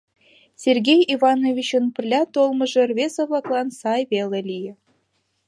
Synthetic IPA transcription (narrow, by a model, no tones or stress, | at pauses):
sʲerɡʲejivɑnovʲit͡ɕə̆npɘ̆rlʲɑt̪olˠmɤ̆ʒɤ̆rvʲezɑvlˠɑklˠɑnsɑjβelʲĕlʲijɘ̆